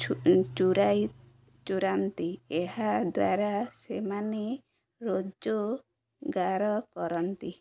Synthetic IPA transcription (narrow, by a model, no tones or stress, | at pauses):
t͡ʃuɾaj | t͡ʃuɾant̪ieɦad̪wa̰ɾasemane | ɾod͡ʒo | ɡaɾɔkɔɾɔnt̪i